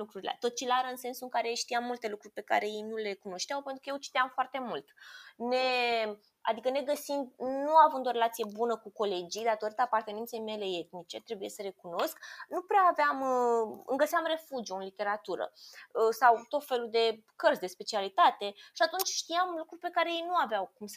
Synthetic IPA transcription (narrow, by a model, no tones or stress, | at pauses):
lukɾuɾilḛt̪o̞t̪̚t͡ʃilaɾəɨnse̞nsuɨŋkaɾeʃt̪ijamːult̪e̞lukɾurʲpe̞ka̰ɾe̞jejnule̞kuno̞ʃt̪eawpe̞nt̪ɾukəjewt͡ʃi̥t̪eamfoart̪e̞mult̪ne̞ | a̰d̪ikəne̞ɡəsind̪nuavɨnd̪oɾe̞lat̪sije̞bunəkuko̞le̞d͡ʒid̪at̪o̞ɾit̪əapart̪e̞nent̪se̞jme̞le̞e̞t̪nit͡ʃe̞t̪ɾe̞bujesəɾe̞kuno̞sknupɾeaːveamɨ̰ŋɡəseamre̞fud͡ʒioɨnlit̪e̞ɾat̪uɾə̰sawt̪o̞t̪fe̞lud̪e̞ | kərsʲd̪e̞spe̞t͡ʃialit̪at̪e̞ʃiat̪unt͡ʃʲʃt̪ijamlukɾurʲpe̞kaɾe̞jejnuaveawkums